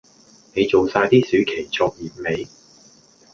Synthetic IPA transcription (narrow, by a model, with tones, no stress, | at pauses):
ne˨˧jt͡so˨wsaː˧jt̪iː˥sy˨˥ɥkʰe˨˩jt͡sɔː˧k̚ji˨˩p̚ne˨˧j